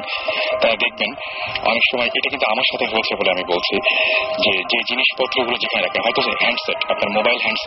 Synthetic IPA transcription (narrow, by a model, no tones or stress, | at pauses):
t̪aɾad̪ek̚ʰben | ɔ̰nekʃɔmɔeʔeʈakint̪uamaɾʃat̪ʰeɦoet͡ɕʰeboleamibolt͡ɕʰid͡ʑed͡ʑed͡ʑiniʃpɔt̪ːɾoɡulod͡ʑekʰaneɾakʰenɦɔet̪osɦɛɳɖseʈapnaɾmobajlɦɛɳɖs